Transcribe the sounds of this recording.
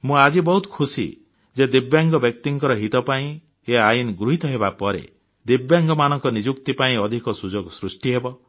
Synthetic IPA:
mũad͡ʒibɔɦut̪ɔ̥kʰusḭ | d͡ʒed̪ibjaŋɡɔbjɔk̚t̪iŋkɔɾɔɦit̪ɔpaĩ | eajunɡɾuɦit̪ɔɦeβapɔɾḛ | d̪ibjaŋɡɔmanɔŋkɔnid͡ʒukt̪ipaĩɔd̪ʱikɔsud͡ʒɔɡsɾusʈiɦebɔ

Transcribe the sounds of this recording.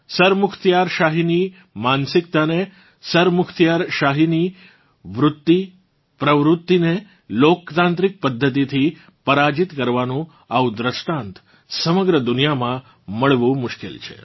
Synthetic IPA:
səɾmʊkʰt̪jaɾʃaɦini | mansɪkt̪ane | səɾmʊkʰt̪jaɾʃaɦini | ʋɾʊt̪ːi | pɾəʋɾʊt̪ːine | lokt̪ãnt̪ɾik̚pəd̪ʱːət̪it̪ʰi | pəɾad͡ʒit̪kəɾʋanũ | aud̪ɾəʃʈãnt̪ʰ | səməɡɾəd̪unijamã | məɭʋũmʊʃkḛlt͡ʃʰḛ

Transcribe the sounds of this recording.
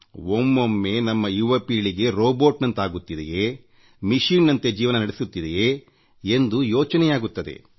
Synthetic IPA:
omːomːe̞nɐmːɐjuʋɐpiːɭiɡe̞ɾoːboːʈnɐnt̪aːɡut̪ːid̪ḛje | miʃinnɐnt̪e̞d͡ʒiːʋɐnɐnɐɽesut̪ːid̪ejeː | end̪ujɔːt͡ʃɐnɛjaːɡut̪ːɐd̪ḛ

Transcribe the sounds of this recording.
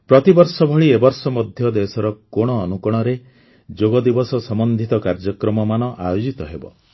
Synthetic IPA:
pɾɔt̪ibɔɾsɔbʱɔɭiebɔɾsɔmɔd̪ʱjɔd̪esɔɾɔkoɽ̃ɔːnukɔɽ̃ɔɾe | d͡ʒoɡɔd̪ibɔsɔsɔmɔnd̪ʱit̪ɔkaɾd͡ʒɔkɾɔmɔmanɔʔa̰jod͡ʒit̪ɔɦebɔ̰

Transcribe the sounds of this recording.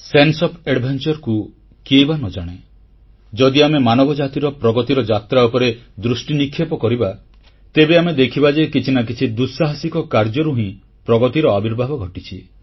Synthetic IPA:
sensɔpʰeɽbʱant͡ʃɔɾku | kiejbanɔd͡ʒaɽ̃e | d͡ʒɔd̪iamemanɔbɔd͡ʒat̪iɾɔpɾɔɡɔt̪iɾɔd͡ʒat̪ɾaupɔɾed̪ɾusʈinikʰːjepɔkɔɾiba | t̪ebeamed̪ekʰibad͡ʒejkit͡ʃʰinak̬it͡ʃʰid̪usaɦasikɔkaɾd͡ʒɔɾuɦĩ | pɾɔɡɔt̪iɾɔabʱiɾbʱabɔɡʱɔʈit͡ʃʰi

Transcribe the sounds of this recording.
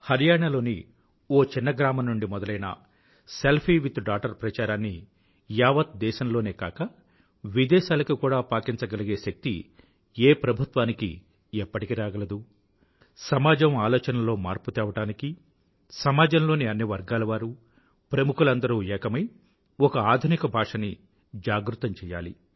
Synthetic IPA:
hɐɾijaːɳɐlo̞ːni | oːt͡ʃinːɐɡɾaːmɐmnːuɳɖimɔd̪ɐlɐjnɐ̰ | selpʰiːʋit̪ɖaːkʈɐɾpɾɐt͡ʃaːɾaːnːi | jaːʋɐt̪̚d̪ɛːʃɐmlo̞ːneːka̰ːkɐ | ʋid̪ɛːʃaːlɐkukuːɽaːpaːkint͡ʃɐɡɐliɡe̞ːʃɐk̚t̪ḭ | eːpɾɐbʱut̪ʋaːnikḭ | ɛpːɐʈikiɾaːɡɐlɐd̪u | sɐmaːd͡ʒɐmaːlɔːt͡ʃɐnɐlo̞ːmaːɾput̪ɛːʋɐʈaːniki | sɐmaːd͡ʒɐmlo̞ːniɐnːiʋɐɾɡaːlɐʋaːɾu | pɾɐmukulɐnd̪ɐɾuːɛːkɐmɐj | ɔkɐaːd̪ʱunikɐbʱaːʂɐni | d͡ʒaːɡɾut̪ɐmt͡ʃɛːja̰ːlḭ

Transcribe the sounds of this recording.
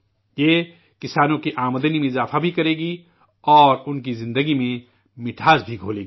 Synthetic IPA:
je | kɪsaːnõkiʔaːmd̪ənimẽɪzaːfʰabʱikɐɾeːɡi | ɔːɾʊnk̬izɪ̃nd̪əɡimẽ | mɪʈʰaːzbʱiɡʱoːleːɡi

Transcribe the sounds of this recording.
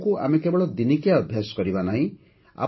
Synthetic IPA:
kuʔa̰mekebɔɭɔd̪inikjaɔbʱjasɔ̥kɔɾibanaɦĩ | a̰

